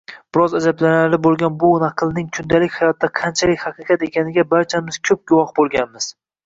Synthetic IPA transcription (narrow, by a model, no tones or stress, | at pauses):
b̥ɪɾɒzad͡ʒablanaɾlɪbolˠɡʲanbʊnɑqʰɨlˠnɪŋkʰʊnd̪alɪkʲhɑjɒt̪ʰːaqʰɑnt͡ʃʰalɪkʲhɑqʰɨqʰɑt̪e̞kʲanɪɡʲabaɾt͡ʃʰamɪz̥kʲʰɵp̚ɡʊwɒhbolˠɡʲanmɪz̥